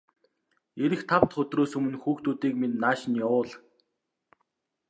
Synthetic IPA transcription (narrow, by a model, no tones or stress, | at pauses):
eɾɘ̆xt̪ʰawt̪χɵt̪roːsɵmɘ̆nxuːxt̪uːt̪iːkmennaːʃniːʊːɮ